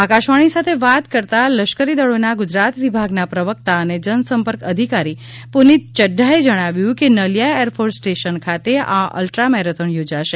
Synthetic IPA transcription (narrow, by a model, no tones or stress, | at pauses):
akaʃʋaɽ̃isat̪ʰeʋat̪kəɾt̪aləʃkəɾid̪əɭonaɡʊd͡ʒɾat̪ʋibʱaɡnapɾəʋək̚t̪aəned͡ʒənsəmpəɾkəd̪ʱikaɾi | punit̪̚t͡ʃəɖʱːaed͡ʒəɽ̃aʋjũkenəljaeɾpʰoɾsʈeʃənkʰat̪eaʔə̰lʈɾamɛɾət̪ʰəɳjod͡ʒaʃe